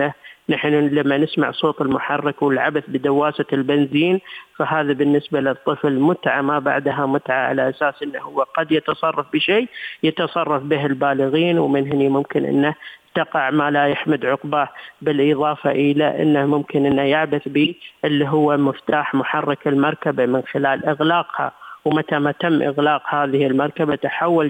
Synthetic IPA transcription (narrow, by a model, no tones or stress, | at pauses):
anaħnulamːanɪsma̰ʕsˤoːt̪ˤɪlmʊħɑrːɑkwɪlʕa̰baθbɪd̪awːaːsalbɪnziːnfaɦaːðabɪnːɪsbalɪt̪ˤːɨflmʊt̪ʕamaba̰ʕd̪ɦamʊt̪ʕaʕa̰laʔasaːsʔɪnːahʊwːaqɑd̪jɪt̪ɑsˤɑrˤːɑfbɪʃeːjɪt̪ɑsˤɑrˤːɑfbɪɦɪlbaːlɪɣiːnwmɪnɦɪnimʊmkɪnʔɪ̰nːat̪ɑqɑʕmalajaħmɪd̪ʕʊqbabɪlʔɨðˤɑːfɑʔɪla̰ʔɪ̰nːahmʊmkɪnʔɪnːajaʕbaθbiʔɪlːiɦʊwːamʊft̪aːħmʊħɑrˤːɑkɪlmɑɾˤkabamɪnxɪlaːlʔɪɣlaːqha̰wmat̪amat̪amːʔɪ̰ɣlaːqhaːðɪhɪlmɑɾˤkabat̪aħawːal